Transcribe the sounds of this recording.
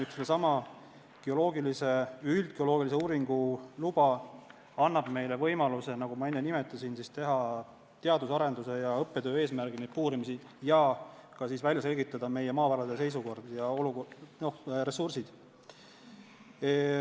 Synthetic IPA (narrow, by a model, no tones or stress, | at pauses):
yk̪selːesɑmɑ | ɡ̥eo̞lo̞ːɡilise̞yld̪̥ɡ̥eo̞lo̞ɡilis̬euːɾiŋɡ̥ulub̥ɑ | ɑnːɑb̥me̞jle̞vɤ̞jmɑluse̞nɑɡ̥umɑenːenimet̪ːˑɑsinsist̪e̞ɦɑ | t̪eɑd̪usɑɾe̞nd̪use̞jɑɤpːe̞d̪ø̞ːe̞ːsmærɡined̪̚puːɾimisi | jɑkɑsiːsvælʲjɑs̬e̞lɡit̪ːˑɑd̪̥ɑme̞jemɑːvæɾɑd̪̥ese̞js̬uko̞rd̪̥jɑoluono̞hɾe̞sursid̪̥